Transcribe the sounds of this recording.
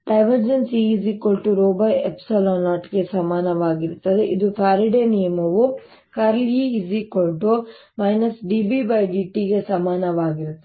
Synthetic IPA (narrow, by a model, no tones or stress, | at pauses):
ɖɐjʋɐɾd͡ʒɐnsiːzikoɭʈuɾoːbɐjepsɐloːnaːʈɡe̞sɐmaːnɐʋaːɡiɾt̪ːɐd̪eʔid̪upʰaːɾiɖenijɐmɐʋu | kɐɾljiːzikoɭʈu | mɐjnɐsɖibibɐjɖiːʈiɡe̞sɐmaːnɐʋaːɡiɾut̪ːɐ